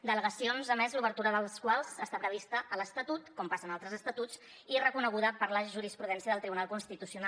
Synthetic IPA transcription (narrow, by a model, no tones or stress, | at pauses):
d̪ələɣəsionzəmɛzluβəɾt̪uɾəðəlˠskwalˠzəst̪apɾəβ̞ist̪əʔələst̪ət̪ut̪kɔmpasənalˠt̪ɾəzəst̪ət̪ut͡s | irəkunəɣ̞uðəpəɾləʒuɾispɾuðɛnsiəðəlˠt̪ɾiβunalˠkunst̪it̪usiuna